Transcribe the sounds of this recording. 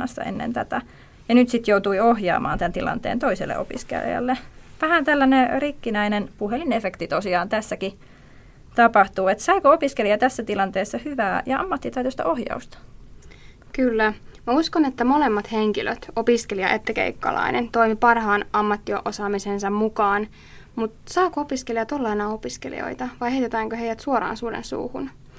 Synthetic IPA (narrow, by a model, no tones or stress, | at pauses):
ɑ̰sːɑ̰ʔḛnːḛnt̪æt̪æ | jɑnyt̪sit̪jout̪uiohjɑ̰ːmɑ̰ːnt̪ænt̪ilɑ̰nt̪ḛːnt̪oisḛlːḛopḭskḛljɑ̰lːeʋæhænt̪ælːænerikːinæinenpuhelinefekt̪it̪osiɑːnt̪æsːæki | t̪ɑpɑht̪uːet̪sɑikoopiskeliɑt̪æsːæt̪ilɑnt̪eːsːɑhyʋæːjɑɑ̰mːɑt̪ːit̪ɑyt̪øst̪ɑ̰ʔohjɑ̰ust̪ɑ̥ | kylːæmæuskonet̪ːæmolemːɑt̪heŋkilʔø̰t̪opiskeliɑʔet̪ːækḛikːɑ̰lɑ̰inʔent̪o̞imipɑrhɑːnɑmːɑt̪ːioʔosɑːmisensɑmmukɑːn | mut̪sɑːkoopiskeliɑt̪olːɑenɑopiskelḭo̰it̪ɑʋɑjheit̪et̪æːŋkøɦe̞jʋæt̪suoɾɑ̰ːnsuːdḛnsṵːhṵn